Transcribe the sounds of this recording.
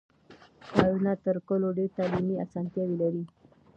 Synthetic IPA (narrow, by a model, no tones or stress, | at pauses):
kɑɾunat̪əɾkoloɖeɾt̪alimia̰sɑnt̪jawilaɾi